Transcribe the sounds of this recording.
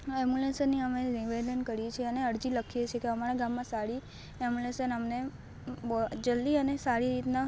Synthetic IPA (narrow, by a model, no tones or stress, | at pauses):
ɛmjulesənːiəmeɾiʋed̪ənkəɾiet͡ʃʰeəneəɽd͡ʒiləkʰijet͡ʃʰekeəmaɾeɡãmːãsaɽi | ɛmulesənəmne | d͡ʒəlːiənesaɽiɾit̪na